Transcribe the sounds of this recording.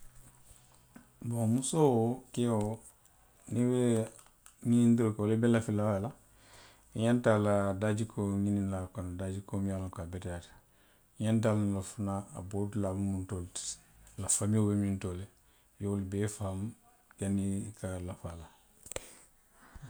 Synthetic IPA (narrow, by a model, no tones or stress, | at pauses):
bomusowokɛwo | nibɛ | ɲinĩndiɾokolebɛlafilawala | iɲãntaladaːd͡ʒikʰoɲinilakɔnadad͡ʒikomijalakabɛtɛjatḁ | iɲãnt̬alnilofunaa̰bodulabumuntolti̥lafamiobemĩntole | joolubɛfaham | kanikalafala